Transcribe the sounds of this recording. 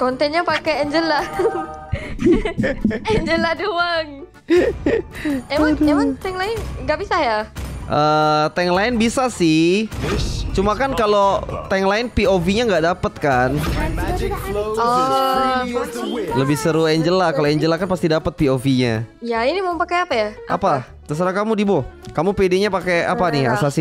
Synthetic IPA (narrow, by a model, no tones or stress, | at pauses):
kɔnt̪ɛnɲapakɛɛɲd͡ʒəla | ɛɲd͡ʒəladoaŋ | ɛmaŋemaŋt̪ɛŋlaɪnŋɡaʔbisajaʔəːt̪ɛŋlaɪnbisasɪ | t͡ʃumakankalot̪ɛŋlaɪnpiofiɲaŋɡaʔdapət̪̚kan | ɔ | ləbɪhsəɾueɲd͡ʒəlakaloɛɲd͡ʒəlakanpast̪idapət̪̚piofiɲajainimampakajapajaʔʔa̰pa | t̪əs̬əɾakamudibokamupedeɲapakea̰panɪa̰sasi